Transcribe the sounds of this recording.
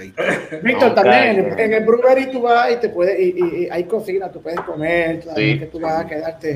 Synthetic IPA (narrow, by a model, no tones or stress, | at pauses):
bik̚t̪oɾt̪ambjeŋeeŋebɾuβeɾit̪uβait̪epwe̞ðeiʔiiajkosinat̪upwe̞ðeskomeɾt̪oðaiaket̪uβasakeðaɾt̪e